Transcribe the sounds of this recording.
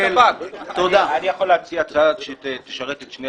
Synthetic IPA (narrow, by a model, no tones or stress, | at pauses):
elat̪od̪aanijaχolːeat͡siat͡sad̪ʃet̪eʃaʁet̪et̪ʃne